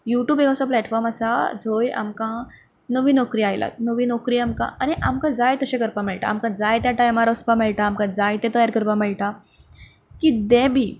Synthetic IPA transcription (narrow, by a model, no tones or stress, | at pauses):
juʈjuːbeɡasɔplɛʈfɔɾmasad͡zʱoja̰mkã | nəʋiːnɔkɾiːajlʔa̰t̪̚nəʋinɔkɾiːamkã̰aniʔamkãd͡zajt̪əɕɛ̃kəɾpamɛɭʈa̰ːmkãd͡zajt̪jaʈajmaɾɔspamɛɭʈaːmkãd͡zajt̪ɛ̃t̪əjaɾkəɾpamɛɭʈã | kid̪ɛ̃bʱiː